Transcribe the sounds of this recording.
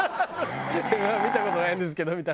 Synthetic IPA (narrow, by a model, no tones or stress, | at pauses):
mamʲit̪ako̞t̪onaĩnd̪e̞s̬ɨ̥ke̞d̪omʲit̪a